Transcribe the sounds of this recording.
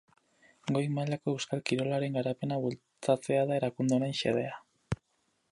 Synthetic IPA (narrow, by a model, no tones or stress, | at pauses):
ɡo̞jmaʎako̞ewskalkiɾo̞laɾe̞ŋɡaɾape̞naβul | t͡sat͡se̞aðae̞ɾakund̪eonenʃe̞̰ðe̞a